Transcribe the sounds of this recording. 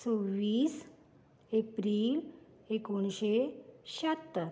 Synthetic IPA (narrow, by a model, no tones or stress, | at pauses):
t͡soʋiːs | epɾiːl | ekoɳɕeɕat̪ː